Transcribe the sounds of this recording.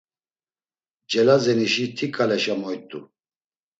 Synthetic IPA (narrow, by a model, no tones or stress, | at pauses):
d͡ʒɛlazɛniʃit̪ʰikʼalɛʃamɔjt̪ʼṵ